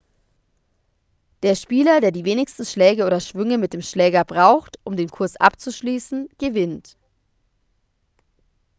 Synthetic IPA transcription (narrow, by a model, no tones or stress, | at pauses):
d̥eːɐʃpiːlɐdeːɐdiːveːnɪçstn̩ʃlɛːɡəʔoːdɐʃv̥ʏŋəmɪt̚d̥eːmʃlɛːɡɐbʁaʊxtʔʊmdeːnkʰʊɐsʔa̰pt͡suʃliːsn̩ɡ̥əvɪnt